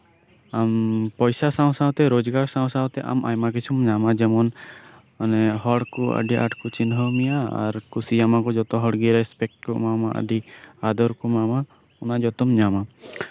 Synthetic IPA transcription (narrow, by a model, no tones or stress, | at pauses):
ampɔjsasaw̃sawt̪ɛɾod͡ʒɡaɾsaw̃sawt̪ɛʔa̰ma̰jmak̬it͡ʃʰumɲamad͡ʒɛmɔn | anɛɦɔɽkuə̰ɖiʔa̰ʈkut͡ʃinɦɔmijaa̰ɾkusid͡ʒamakɔd͡ʒɔt̪ɔɦɔɽɡiɾɛspɛk̚ʈkɔmamaʔə̰ɖiad̪ɔɾkɔmama | unad͡ʒɔt̪ɔmɲama